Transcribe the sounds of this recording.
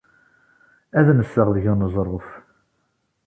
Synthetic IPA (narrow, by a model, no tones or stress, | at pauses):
æðnəsːəʁðəʝænəzˤɾˤof